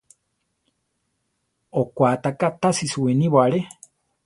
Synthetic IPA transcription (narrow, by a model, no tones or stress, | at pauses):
okʷat̪akat̪asisuwenĩβoaɺe